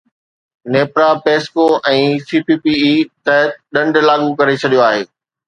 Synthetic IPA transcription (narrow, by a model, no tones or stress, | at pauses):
neːpɾapeːskoʔɛ̃ːsiːpiːpiit̪ɛɦt̪̚ɗɐ̃ɳɖlaːɠukɐɾet͡ɕʰɐɗijoaːɦeː